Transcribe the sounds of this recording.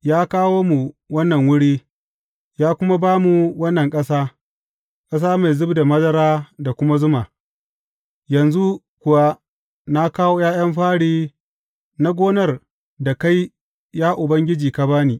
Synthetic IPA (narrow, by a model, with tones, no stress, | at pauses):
jaː˦kaː˦woː˦mu˨wɐ˦nːɐ˨ŋwʊ˦ɽiː˦ | jaː˦kʷʊ˦ma˦baː˦mu˨wɐ˦nːɐ˨ŋkʼɐ˦saː˦ | kʼɐ˦s̬aː˦ma˨jzʊ˦bda˨mɐ˦zɐ˦ɾaː˦da˨kʷʊ˦ma˦zʊ˦maː˨ | jɐ˨nzu˦ | kʷʊ˨wa˦ | na˦kaː˦woː˦jaː˦j̰ɐ˦mɸaː˦ɽiː˦ | na˦ɡʷoː˦nɐ˦˨r | da˨ka˦j | jaː˦ʔʊ˨bɐ˦ŋɡʲɪ˦d͡ʒiː˨ka˦baː˦niː˨